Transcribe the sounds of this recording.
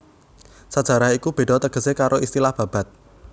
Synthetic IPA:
sad̥ʒ̥a̤ɾahikub̥e̤ɖ̥ɔ̤t̪əɡ̥ə̤sekaɾʔoist̪ilahb̥ä̤b̥a̤t̪̚

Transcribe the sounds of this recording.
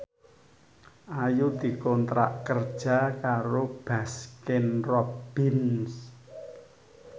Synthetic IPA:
ʔajud̪̥i̤kɔnt̪ɾa̰ʔkərd̥ʒ̥a̤kaɾob̥askɪnrɔb̥ɪns

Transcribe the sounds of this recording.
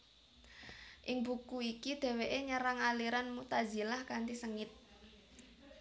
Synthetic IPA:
ʔɪŋbukuikid̪̥e̤weʔeɲəɾaŋaliɾanmut̪azi̤lahkant̪isəŋɪt̪̚

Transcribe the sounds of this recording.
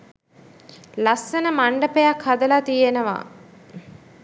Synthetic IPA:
lasːənəmaɳɖəpejakhad̪əlat̪ijenəʋa̰

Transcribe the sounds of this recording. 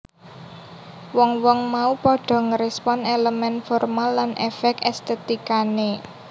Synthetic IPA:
wɔŋwɔŋmaupɔɖ̥ɔ̤ŋəɾespɔneləmɛnfɔrmalːanʔefɛkɛst̪et̪ikane

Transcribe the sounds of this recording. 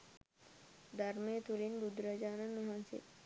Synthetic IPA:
d̪aɾmet̪ulinbud̪ɾəd͡ʒaːnanuɦãnsḛ

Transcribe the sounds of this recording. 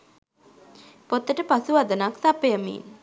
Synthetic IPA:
pot̪ːəʈəpasuʋad̪ənaksapejəmḭn

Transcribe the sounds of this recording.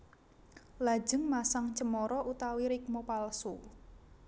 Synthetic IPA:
lḁd͡ʒəŋmasaŋt͡ʃəmɔɾɔʔut̪awiɾɪk̚mopalsu

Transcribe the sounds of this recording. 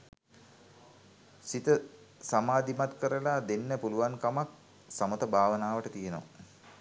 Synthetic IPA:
sit̪ə | samaːd̪imat̪kəɾəlaːd̪enːəpuluʋankamak̚ | samət̪əbʱaːʋənaːʋəʈət̪ijeno̰

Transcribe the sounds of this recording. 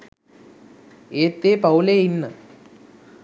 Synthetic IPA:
eːt̪ːeːpɐwleinːɨ

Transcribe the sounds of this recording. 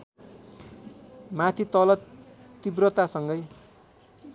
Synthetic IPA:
mat̪ʰit̪ʌlʌ | ibrʌt̪asʌŋɡʌj

